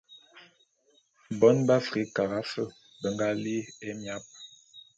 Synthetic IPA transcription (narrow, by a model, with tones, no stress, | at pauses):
bɔ˨˦nba˦fɾi˨˦ka˨ɣa˦fə˦˨ | bə˨ŋɡa˦li˦e˦mja˦p̚